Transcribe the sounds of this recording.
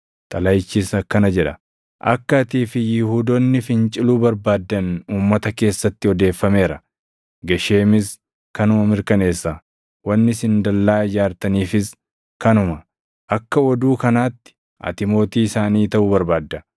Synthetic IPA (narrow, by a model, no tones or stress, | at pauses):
t̪ʼɐlɐjt͡ʃːɪsɐkːɐnɐd͡ʒɛᶑɐ | ʔɐ̰kːɐːt̪iːfɪjɪhuːd̪onːɪfɪnt͡ʃʼɪluːbɐɾbaːd̪ːɐnuːmːɐt̪ɐke̞ːsːɐt̪ːɪɔd̪e̞ːfːɐme̞ːɾɐ | ɡɐʃe̞ːmɪs | kɐnʊmɐmɪɾkɐne̞ːsːɐ | wɐnːɪsɪnd̪ɐlːaːd͡ʒaːɾt̪ɐniːfɪs | kɐnʊmɐ | ʔɐkːɐɔd̪uːkɐnaːt̪ːɪ̥ | ʔɐ̰t̪ɪmo̞ːt̪iːɪsaːniːt̪ɐʔʊbɐɾbaːd̪ːɐ